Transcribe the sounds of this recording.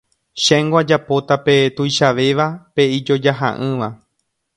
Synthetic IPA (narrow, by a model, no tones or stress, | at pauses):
ʃẽŋɡwad͡ʒapo̞t̪ape̞t̪ujʃaʋe̞ʋape̞id͡ʒo̞d͡ʒaɦa̰ʔɨ̃ʋa